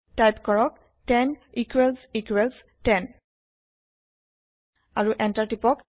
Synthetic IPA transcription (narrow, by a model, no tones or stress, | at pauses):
tajpkɔɹɔk̚ | tɛnikwɛlsikwɛls | tɛn | aɹuʔɛntaɹtipɔk